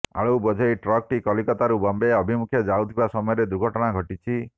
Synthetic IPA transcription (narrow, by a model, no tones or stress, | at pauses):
a̰ɭowbɔd͡ʒʱɔjʈɾɔk̚ʈikɔlikɔt̪aɾubɔmbeɔbʱimukʰjɔd͡ʒawt̪ʰibasɔmɔjɔɾed̪uɾɡʱɔʈɔɽ̃aɡʱɔʈit͡ʃʰi